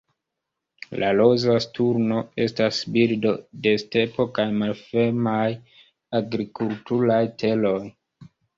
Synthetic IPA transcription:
lʔalozastuɾno̞e̞stasbildo̞de̞ste̞po̞kajmalfemaj | aɡɾikultuɾajtʰe̞lo̞j

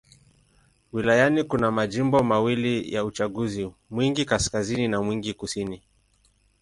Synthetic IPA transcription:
wilajanikunamaʄimbɔmawilijaut͡ʃaɠuzimwiŋɡikaskazininamwiŋɡikusini

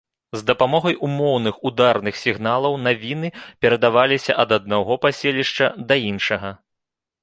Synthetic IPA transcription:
zd̪ɐpamɔɣɐjʔumɔwnɨxud̪arnɨxsʲiɣnalˠɐwnavʲinɨpʲɛɾɐd̪avalʲisʲɐ̰ʔɐd̪ɐd̪̚naɣɔpasʲelʲiʂt͡ʂɐd̪ɐinʂɐɣɐ

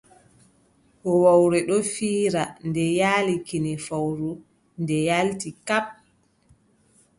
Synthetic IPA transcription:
hɔwawɾɛɗɔfiːɾandɛjaːlikinɛfawɾu | ndɛjaltikap̚

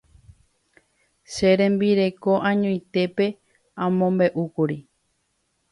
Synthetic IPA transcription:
ʃe̞ɾẽ̞mbiɾe̞ko̞ʔãɲõj̃t̪e̞pe̞ | ãmõmbe̞ʔukuɾi

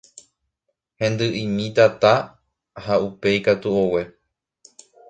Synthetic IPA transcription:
hẽ̞nd̪ɨʔĩmĩt̪at̪a | haupe̞ikat̪uowe̞

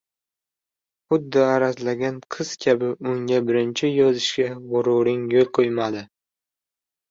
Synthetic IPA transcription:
χʊd̪ːɪaɾazlaɡʲanqʰɨz̥kʲʰabɪʊŋɡʲabɪɾɪnt͡ʃʰɪjɒzɪʃkʲabʊɾʊɾɪŋjolˠqʰojmad̪ɪ

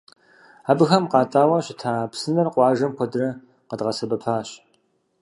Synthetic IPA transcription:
aːbɨxɐmqɑːtʼaːwɐɕɪtʰaːpsɨnɐrqʷɑːʒɐmkʷɔdɨrɐ | qədʁɐsɐbɐpʰaːɕ

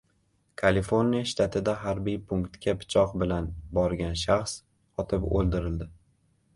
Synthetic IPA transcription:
kʰalifo̞ɾnijaʃt̪ʰat̪ʰɪd̪aɦaɾbijpʰʊŋkt̪kʲapʰɪ̥t͡ʃʰɒqbɪlanbɒɾɡʲanʃaχs | ɒt̪ʰɪpo̰lˠd̪ɪɾɪld̪ɪ

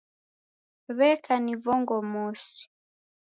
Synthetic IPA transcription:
βɛkʰanivɔŋɡɔmɔsi̥

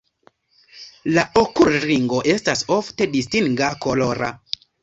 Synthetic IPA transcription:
laʔokulɾiŋɡo̞ʔe̞staso̞fte̞distiŋɡako̞loɾa̰

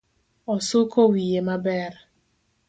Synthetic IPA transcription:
ɔsʊkʰɔwijemabɛr

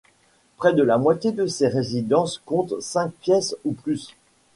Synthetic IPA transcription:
pχɛd̪əlamwat̪jed̪əseʁezid̪ɑ̃skɔ̃t̪sɛ̃k̚pjɛsuplys

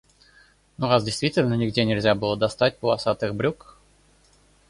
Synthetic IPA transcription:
noʁazdʲejst̪vʲitʲɪlʲnənʲɪɡdʲenʲɪlʲzʲabɨlˠəd̪ast̪at̚ʲpəlˠasat̪ɨxbɾʲuk

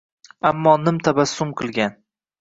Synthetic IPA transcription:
amːɒːnɪmt̪ʰabasːʊmqʰɨlˠɡʲan

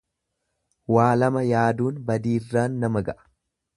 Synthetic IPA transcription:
waːlɐmɐjaːd̪uːnbɐd̪iːrːaːnːɐmɐɡɐʔɐ̥

